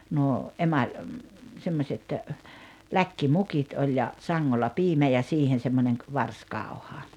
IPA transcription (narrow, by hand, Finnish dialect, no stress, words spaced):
nuo ʔemɑlʲ semːosʲet lækːimukit olʲ jɑ sɑŋːolːɑ piːmæ jɑ siːhen̞ semːonʲeŋ k ʋɑrskɑˑu̞hɑ